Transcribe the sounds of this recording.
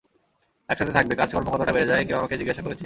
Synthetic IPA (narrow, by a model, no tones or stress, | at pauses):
ɛkʃat̪ʰet̪ʰak̚bekad͡ʑʱkɔɾmokɔɾt̪aʈabeɾed͡ʑaekiamaked͡ʑiɡːaʃakoɾet͡ɕʰi